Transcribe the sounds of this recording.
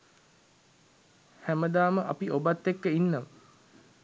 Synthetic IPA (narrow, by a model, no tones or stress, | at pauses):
hæməd̪aːməʔapiʔobat̪ːekːəinːəmə